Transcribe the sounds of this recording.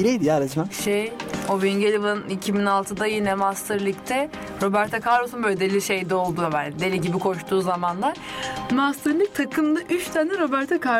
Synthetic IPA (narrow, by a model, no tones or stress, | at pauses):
iɾɛjd̪ijaːɾad͡ʒɯmaʃejoviɲɟelʲivnicʰibinalˠt̪ʰɯd̪ajinɛmast̪ʰɯɾlʲˠict̪ʰɛ | ɾo̞bæɾt̪ʰakʰaɾɾosunbøød̪elʲiʃe̞jd̪ɛo̞lˠd̪ubænd̪elʲiɟibikʰo̞ʃt̪uːzamanlˠaɾ̥mast̪ʰɯɾlʲˠic̚t̪ʰakʰɯmd̪ˠaʔyt͡ʃt̪ʰanɛɾo̞bæɾt̪ʰakʰa